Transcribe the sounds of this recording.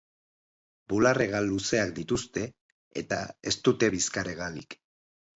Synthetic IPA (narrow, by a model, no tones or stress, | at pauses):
bulare̞ɣaluse̞akd̪it̪ust̪e̞̰ː | t̪ae̞st̪ut̪e̞βiskaɾeɣ̞alik